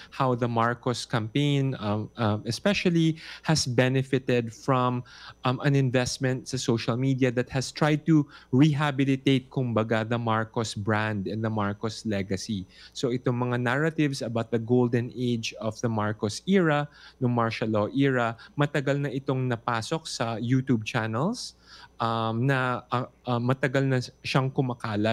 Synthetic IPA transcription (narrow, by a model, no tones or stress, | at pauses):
hawðɐmaɹkoskɐ̃mpẽɪnmɛspɛʃɐlihɐsbɛnɛfɪt̪ɛd̪̚fɹɔ̃mmɐ̃nɪ̃nvɛst̪̚mɛ̃nt̪sɐsowʃɐlmid̪iɐðɐt̪̚hɐst̪ɹajd̪̚t̪uɹiɦabɪlɪt̪ejt̪̚kʊmbɐɡaðɐmaɹkosbɹãnd̪ɛ̃nd̪ɐmaɹkoslɛɡɐsisoʔɪt̪oŋmɐŋanaɹɐt̪ɪvsɐbawt̪̚d̪ɐɡowld̪ɛnʔejd͡ʒɔfðɐmaɹkosiːɹɐnoŋmaɹʃɐloʔiːɹɐmɐt̪ɐɡalnɐʔɪt̪oŋnɐpaːso̞k̚sɐjut̪ub̚t͡ʃanɛlsʔɐmnɐʔɐʔɐmːɐt̪ɐɡalnɐʃɐŋkʊmakaːlɐ